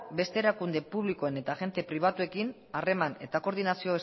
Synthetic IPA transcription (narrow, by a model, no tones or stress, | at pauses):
be̞st̪e̞ːɾakund̪e̞puβliko̞ene̞t̪aɣe̞nt̪e̞pɾiβ̞at̪ue̞kin | are̞mane̞̰t̪ako̞ɾð̞inasioes